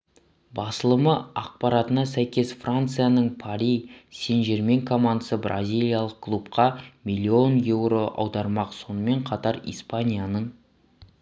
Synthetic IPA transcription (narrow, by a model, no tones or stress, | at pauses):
bɑsəlˠəməɑq̚pɑɾɑt̪ənɑsæjkʲe̞sfrant̪sɨjanəɴpʰaɾʲijse̞nʒe̞ɾme̞ŋkʰo̞mand̪əsəbrʔa̰zʲijlʲijalˠəq̚kʰlˠupqɑmʲijlʲːio̞nje̞wɾo̞ʔɑ̰wd̪ɑɾmɑqso̞nəme̞ɴqʰɑt̪ɑɾḭjspanʲijanəɴ